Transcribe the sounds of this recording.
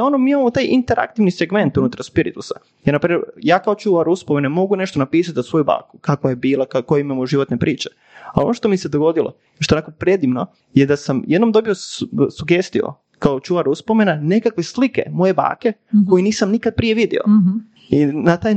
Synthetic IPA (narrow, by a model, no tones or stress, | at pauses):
o̞nomiimamot̪aːjʔint̪eɾʔa̰kt̪iʋniseɡme̞nt̪unut̪ɾaɾspiɾḭt̪usa | jɛɾnapɾimeɾjaːkao̞t͡ʃuʋaɾuspomenemo̞ɡune̞ʃt̪onapiːs̬at̪zasʋo̞juba̰ːkukakʋojebiːlˠakakojeimamoʒiʋot̪nepɾʔiːt͡ʃe̥ | a̰o̞noʃt̪o̞mise̞d̪oɡo̞d̪ilˠo̰ | ʃt̪onako̞pɾed̪iʋno̞ | jed̪asamjed̪no̞md̪o̞biosuɡe̞st̪io̰ | kaot͡ʃuʋaɾuspomenane̞kakʋe̞slike̞̰mo̞je̞ba̰ːke̞ko̞jiniːsamnikad̪̚pɾije̞ʋid̪ḭo̰ | inat̪aːj